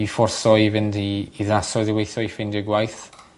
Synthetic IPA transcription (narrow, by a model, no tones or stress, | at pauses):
ifɔrsɔivɪndiːðnasɔɨðiwejθɔifɪndəɡwajθ